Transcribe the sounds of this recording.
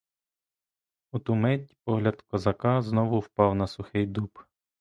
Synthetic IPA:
ut̪ʊmɛtʲpɔɦlʲɐd̪kɔzɐkɑznɔʋʊwpɑwnɐsʊxɪjd̪up

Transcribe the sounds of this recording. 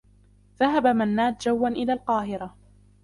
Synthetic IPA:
ðaɦabamanːaːt̪̚d͡ʒawːanʔɪlaːlqɑːɦɪɾa

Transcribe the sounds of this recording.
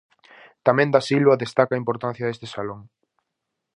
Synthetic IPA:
t̪amɛ̃nd̪asilβɐðest̪akɐːĩmpoɾt̪ãn̟θjɐðest̪esaloŋ

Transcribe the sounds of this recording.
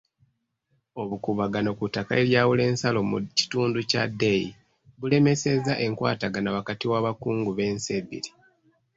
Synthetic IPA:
o̞βukuβaɡano̞kutakae̞ɾjaːwule̞ːnsalo̞mṵci̥tuːnduca̰dei | βule̞me̞se̞zaʔe̞ŋkwa̰ːtaɡanawakatiwaβakuːŋɡuβe̞ːnse̞βḭli

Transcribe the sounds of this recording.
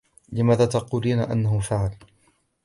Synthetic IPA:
lɪmaːðaːt̪ɑquːliːnaʔa̰nːahʊfaʕal

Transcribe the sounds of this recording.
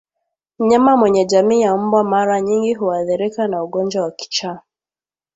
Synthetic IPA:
m̩ɲamamwɛɲɛʄamiːjambwamaɾaɲiŋɡiɦuaðiɾikanauɠɔnd͡ʒwawaki̥t͡ʃaː

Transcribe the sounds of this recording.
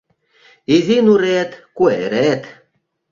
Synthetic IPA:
izinuɾet̪kueɾet̪

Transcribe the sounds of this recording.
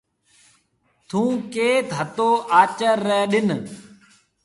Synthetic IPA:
t̪ʰũːkeːt̪ɦət̪oːʔaːt͡ʃəɾːeːɗɪn

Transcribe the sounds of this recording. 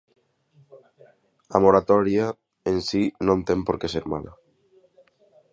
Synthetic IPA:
amoɾat̪ɔɾja | ensinõnt̪empoɾkeseɾma̰la̰

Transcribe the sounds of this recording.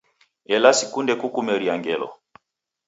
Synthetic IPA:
ɛlasikundɛkukumɛɾiaŋɡɛlɔ̰

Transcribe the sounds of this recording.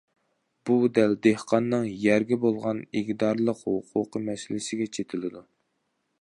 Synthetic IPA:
b̥ud̪æld̪ehqʰɑnːɨŋjæɾɡʲɛbolˠʁɑniɡʲd̪ɑɾlˠəqhʊqʰuqəmɛsɪlɪsɪɡʲɛt͡ʃʰet̪ʰɪlɪd̪u

